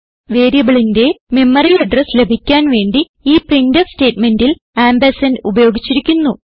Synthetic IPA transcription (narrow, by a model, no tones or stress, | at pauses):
ʋe̞ːɾijɐɣɐɭinde̞me̞mːɐrijlɐɖresle̞bʱikʲːaːnʋe̞ːɳɖi | iːpriɳdɐʋste̞ːtme̞ndil | aːmbɐsɐnubɐjo̞ːɡit͡ɕːiɾikʲːunːu